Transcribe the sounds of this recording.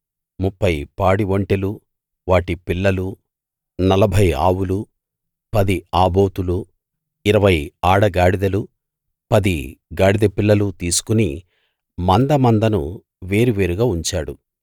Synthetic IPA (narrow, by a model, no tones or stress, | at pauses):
mupːɐjpaːɽiʋoɳʈelu | ʋaːʈipilːɐlu | nɐlɐbʱɐja̰ːwulu | pɐd̪iaːbo̞ːt̪ulu | iɾɐʋɐjaːɽɐɡaːɽid̪ɐlu | pɐd̪iɡaːɽid̪ɐpilːɐlut̪iːsu̥kuni | mɐnd̪ɐmɐnd̪ɐnṵ | ʋe̞ːɾiʋe̞ːɾuɡaːuɲt͡ʃaːɽu